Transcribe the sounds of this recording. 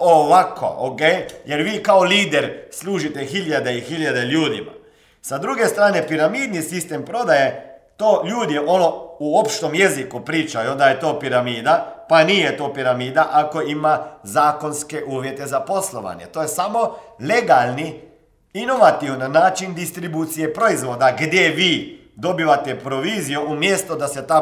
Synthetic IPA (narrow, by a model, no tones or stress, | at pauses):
oʋakʰo̰okejjeɾʋiːkaoliːd̪eɾslˠuːʒit̪exiʎad̪e̞ixiʎad̪e̞ʎuːd̪ḭma̰ | sad̪ɾuɡe̞st̪ɾaːne̞piɾamiːd̪nisist̪empɾo̞d̪aje | t̪oːʎuːd̪jeʔonouo̞pʃt̪o̞mjezikupɾiːt͡ʃajud̪ajet̪o̞ːpiɾamiːd̪apanijet̪o̞ːpiɾamiːd̪aʔako̞imazaːko̞nske̞ʔuːʋje̞t̪e̞zapo̞slˠoʋa̰ɲe̞̰t̪ojesamo̞le̞ɡalni | ino̞ʋat̪iʋnnaːt͡ʃind̪ist̪ɾibuːt̪sije̞pɾo̞izʋo̞ːd̪aɡd̪je̞ʋiː | d̪o̞biʋat̪epɾoʋiːzijoʔumjest̪od̪aset̪a